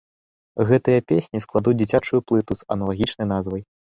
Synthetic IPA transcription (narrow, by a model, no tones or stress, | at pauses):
ɣɛt̪ɨjɐpʲesʲnʲisklˠad̪ut͡sʲd͡zʲit͡sʲat͡ʂujuplˠɨt̪usɐ̰nɐlˠaɣʲit͡ʂnɐjnazvɐj